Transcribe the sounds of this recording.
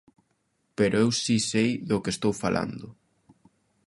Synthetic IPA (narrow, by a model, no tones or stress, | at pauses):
peɾʔoewsisejðʊkest̪owfalʔa̰nd̪ʊ